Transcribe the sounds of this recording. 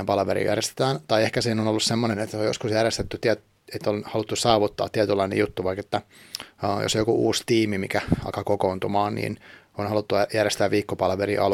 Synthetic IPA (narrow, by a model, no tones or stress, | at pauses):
empɑlɑʋeɾḭjæ̰rjest̪e̥t̪æːnt̪ɑiehkæsiːnonolːussemːonenet̪ːojoskusjærjest̪et̪ːyt̪iæt̪ | et̪ːonhɑlut̪ːusɑːʋut̪ːɑ̰ːt̪t̪ːiæt̪ylːɑinḛjut̪ːuʋɑiket̪ːæ | jo̰sjokuʔuːst̪iːmimḭkæɑ̰kɑkokoːnt̪umɑːnnḭːn | onhɑlut̪ːujærjest̪æːʋʋiːkːopɑlʋeɾḭʔɑl